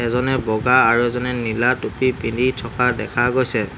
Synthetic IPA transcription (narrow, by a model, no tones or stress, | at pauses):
ɛzɔnɛbɔɡaaɹuɛzɔnɛnilatopipinditʰɔkʰadɛ̰kʰaɡojsɛ